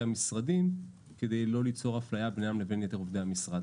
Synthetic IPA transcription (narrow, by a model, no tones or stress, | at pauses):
amisʁadim | ke̞d̪e̞jlo̞lit͡so̞ʁaflajabnejamle̞ve̞njet̪e̞ʁovd̪eamisʁad